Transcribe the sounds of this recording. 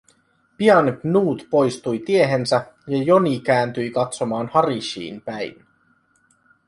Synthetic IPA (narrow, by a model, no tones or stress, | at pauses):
piɑnɡnuːt̪po̞jst̪ujt̪ie̞ɦensæ | jɑjo̞nik̟æːnt̪yjkɑt̪so̞mɑːnhɑɾiʃḭːnpæjn